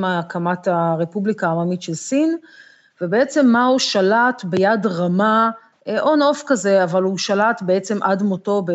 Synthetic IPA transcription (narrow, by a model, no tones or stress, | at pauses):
makamataʁepublikaːmamitʃe̞lsin | vebeet͡se̞mːauʃalatbejadʁama | ʔo̞no̞fkaze̞avaluʃalatbeet͡se̞mʔadmoto̞be